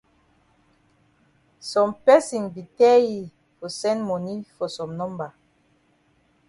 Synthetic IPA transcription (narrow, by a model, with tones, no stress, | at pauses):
sɔ̃˨mpɛ˦sĩ˨nbi˨tɛ˦ji˨ | fɔ˨sɛ̃˦nmɔ˨ni˦fɔ˨sɔ̃˨mnɔ̃˦mba˨